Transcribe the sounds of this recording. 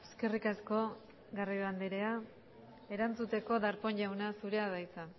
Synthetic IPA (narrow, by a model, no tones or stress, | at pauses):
eske̞rikasko̞ | ɣaraoand̪eɾe̞a | e̞ɾant͡sut̪e̞ko̞ðaɾpo̞ɲʎawnasuɾe̞aðajt͡sa